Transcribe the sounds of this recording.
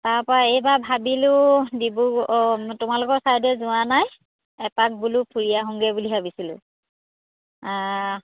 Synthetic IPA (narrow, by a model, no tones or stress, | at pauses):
taɹpɔɹaejbabʱabilʊdibutʊmalʊkɔɹsaɹdɛzʊanaj | ɛpak̚bulupʰuɹijaɦɔŋɡɛbuliɦabisilʊ̰̃ | a